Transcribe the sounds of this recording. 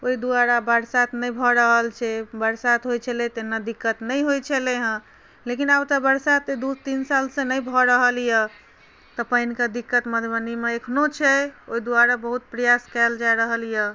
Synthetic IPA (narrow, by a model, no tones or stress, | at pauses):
oid̪uaɾabəɾsat̪nəjbʱɔɾəɦəlt͡ʃʰɛbəɾsat̪ɦojt͡ʃʰəlɛt̪enːəd̪ikːət̪nəjɦojt͡ʃʰəleɦə̃ | lekinabt̪əbəɾsat̪ed̪ut̪insalsẽnəjbʱɔɾəɦəljə | t̪ɔpəinkad̪ikːət̪məd̪ʱbənimeekʰnot͡ʃʰɛoid̪uaɾabəɦut̪̚pɾəjaskɛld͡ʒaeɾəɦəlijə